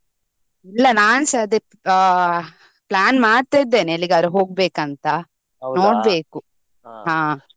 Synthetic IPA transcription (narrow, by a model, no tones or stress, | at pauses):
ilːɐnaːnsɐd̪e | plaːnmaːɖt̪ajid̪ːe̞ːneɐlːiɡɐd̪ɾuɦo̞ːɡ̚be̞ːkɐnt̪ɐ | no̞ːɽbe̞ːku | ɦãː